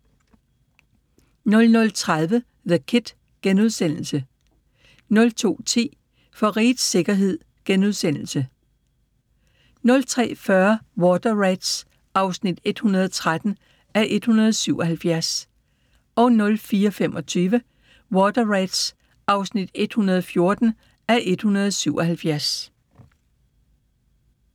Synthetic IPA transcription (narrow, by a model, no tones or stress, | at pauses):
nɔ̽lnɔ̽lt͡sʰʁað̞ˠʋə | ðəkʰed̥ | ɡ̥enuð̞ˠsen̰l̩sə | nɔ̽lt͡sʰo̝̰ːt͡sʰḭː | fɒ̽ʁiːd̥se̝ɡ̥ɐɦe̝ð̞̰ˠ | ɡ̥enuð̞ˠsen̰l̩sə | nɔ̽lt͡sʰʁɛ̰ːfɶɐwɒːd̥ɐʁeɪd̥s | ʔɑ̈ʊsnid̥e̝d̥hunɐðˠt͡sʰʁad̥n̩ | æʔe̝d̥hunɐð̩ˠsyʊʔɒ̽ɦælfjæɐs | ɒ̽nɔ̽lfiːɐfemʔɒ̽t͡sʰyːʋə | wɒːd̥ɐʁad̥s | ʔɑ̈ʊsnid̥e̝d̥hunɐðˠɒfjo̝ɐd̥n̩ | æʔe̝d̥hunɐð̞̩ˠsyʊʔɒ̽hælfjæɐs